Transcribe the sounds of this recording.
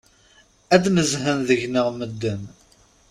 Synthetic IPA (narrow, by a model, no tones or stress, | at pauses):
æd̪məzhənðəʝnəʁməd̪ːən